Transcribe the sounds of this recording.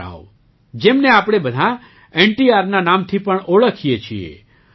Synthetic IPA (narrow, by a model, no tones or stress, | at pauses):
a̰ʋo | d͡ʒemneapɽ̃ebəd̪ʱa | eɳʈiaɾnanamt̪ʰipəɳoɭəkʰijet͡ʃʰiḛ